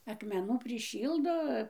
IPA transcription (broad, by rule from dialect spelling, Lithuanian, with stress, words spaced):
ɐkmʲɛˈnuː pʲrʲɪˈʃʲiːlˠdoː